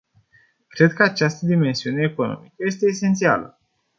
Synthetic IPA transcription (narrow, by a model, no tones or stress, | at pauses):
kɾe̞d̪̚kəat͡ʃast̪əd̪ime̞nsiune̞ːko̞no̞̰mikəje̞s̬t̪e̞ːse̞nt̪sia̰lə̰